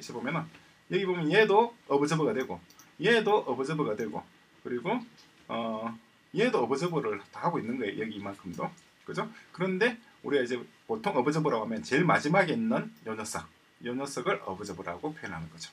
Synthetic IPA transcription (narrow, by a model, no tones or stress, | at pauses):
iɕʰibomjʌnɯn | jʌɡibomjʌnjedoʌbɯd͡ʑʌbɯɡadwe̞ɡo | jedoʔʌbɯd͡ʑʌbɯɡadwe̞ɡo̰ | kɯɾiɡo | ʌ | jedoʌbɯd͡ʑʌbɯɾɯɭt͈ohaɡoinːɯnɡʌejo̰jʌɡiːmankʰɯmdo | kɯd͡ʑokɯɾʌnde̞ | uɾiɡaid͡ʑe | potʰoŋʌbɯd͡ʑʌbɯɾaɡoɦamjʌnt͡ɕe̞ɭmad͡ʑimaɡeinːɯnjʌɲʌs͈ʌ̰ | jʌɲʌs͈ʌɡɯɾʔʌbɯd͡ʑʌbɯɾa̰ɡopʰjojʌnɦanɯnɡʌd͡ʑo̥